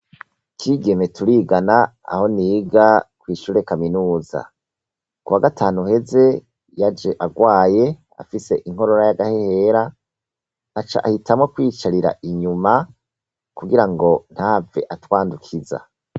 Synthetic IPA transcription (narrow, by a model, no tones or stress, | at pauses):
kʰiːɡe̞me̞tʰuɾiːɡana | a̰ho̞niːɡakwiːʃuːɾe̞kaminuːza̰ | kuwaɡatʰaːnuhe̞ze̞ | jad͡ʒe̞ʔaɡwaːje̞ | a̰fise̞ʔiŋ̥ho̞ɾo̞ɾajaɡahe̞he̞ɾaː | t͡ʃa̰ʔahitʰamŋo̞kwiːt͡ʃaɾiɾa̰ʔiɲuma | kuɡiɾaŋɡo̞n̥haːve̞̰ʔatwaːndukʰiza̰